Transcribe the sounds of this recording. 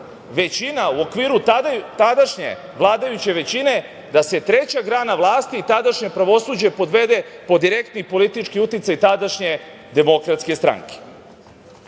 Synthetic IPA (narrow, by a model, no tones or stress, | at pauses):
ʋe̞t͡ɕinauo̞kʋiːɾut̪ad̪aʃɲḛ | ʋlˠaːd̪ajut͡ɕe̞ʋe̞t͡ɕine̞ | d̪ase̞t̪ɾe̞t͡ɕaɡɾaːnaʋlˠaːst̪iːt̪ad̪aʃɲe̞pɾaʋo̞suːd͡ʑepo̞d̪ʋe̞d̪e̞po̞d̪iɾe̞kt̪nipo̞lit̪it͡ʃkiut̪it̪sajt̪ad̪aʃɲe̞ | d̪e̞mo̞kɾat̪ske̞st̪ɾa̰ŋke̥